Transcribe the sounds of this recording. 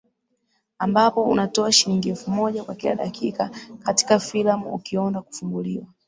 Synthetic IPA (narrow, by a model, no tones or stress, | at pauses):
ambapɔṵnatɔaʃiɾiŋɡiɛfumɔʄakwakila̰ɗakikakati̥kafilamuṵkiɔndaku̥fumbuliwa